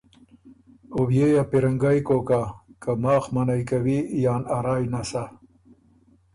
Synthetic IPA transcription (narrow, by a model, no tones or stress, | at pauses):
owjejapiɾaŋɡajkokakamɑːxmanajkawijɑːnaɾɑːjnasa